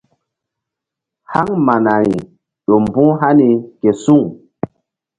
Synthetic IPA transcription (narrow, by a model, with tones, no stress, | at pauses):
ha˦ŋma˨na˨ɾi˨ | ɗo˨mbũ˦ɦa˦ni˨ke˨su˦ŋ